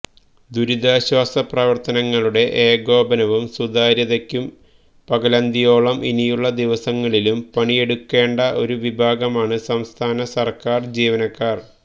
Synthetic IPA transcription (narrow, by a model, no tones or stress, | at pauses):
d̪uɾid̪aːɕwaːsɐprɐʋɐrt̪ɐnɐŋːɐɭuɽe̞ʔeːɡo̞ːbɐnɐʋumsud̪aːɾjɐðɐkʲːum | pɐɡɐlɐnd̪ijo̞ːɭɐmʔinijuɭːɐd̪iʋɐsɐŋːɐɭilumpɐɳije̞ɽukːe̞ːɳɖɐʔo̞ɾuʋibʱaːɡɐmaːɳɨsɐmst̪ʰaːnɐsɐrkaːrd͡ʑiːʋɐnɐkːaːr